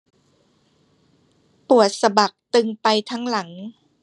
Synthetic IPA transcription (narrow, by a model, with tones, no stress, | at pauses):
pu˨˩ət̪̚sa˧ba˨˩k̚t̪ɯ˧ŋpa˧jt̪ʰa˦˥ŋla˩˦ŋ